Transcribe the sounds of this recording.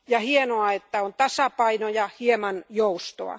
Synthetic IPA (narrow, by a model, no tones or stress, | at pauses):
jɑhienoɑet̪ːæont̪ɑsɑpɑinojɑhiemɑnjoust̪o̰ɑ̰